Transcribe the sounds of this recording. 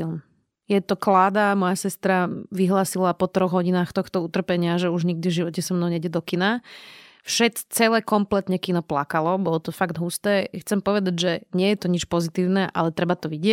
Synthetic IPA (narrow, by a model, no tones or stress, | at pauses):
ilm | jɛt̪ɔklaːd̪amɔjasɛst̪ɾaʋiɦlaːsilapɔt̪ɾɔɣɦɔɟinaːxt̪ɔxt̪ɔut̪r̩pɛɲɪaʒɛuʒɲiɡ̚d̪ivʒiʋɔcɛsɔmnɔʊɲɛɟjɛd̪ɔkina | fʃɛt͡st͡sɛlɛkɔmplɛt̪ɲɛkinɔplakalɔbɔlɔt̪ɔfaɡd̪ɦust̪ɛːxt͡sɛmpɔʋɛd̪aɟʒɛɲɪɛjɛt̪ɔɲit͡ʃpɔzit̪iːʊnɛʔa̰lɛt̪ɾɛbat̪ɔʋiɟɪɛ